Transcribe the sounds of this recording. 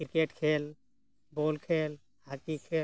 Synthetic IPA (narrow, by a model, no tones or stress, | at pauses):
kiɾkeʈkʰel | bolkʰel | hakikʰe